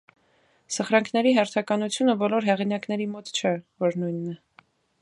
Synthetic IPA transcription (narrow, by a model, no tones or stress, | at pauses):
səχɾɑŋkʰnɛɾiɦɛɾt̪ʰɑkɑnut͡sʰjunəbɔlɔɾɦɛʁin̪ɑkn̪ɛɾimɔt̪t͡ʃʰɛvɔɾnujnːɛ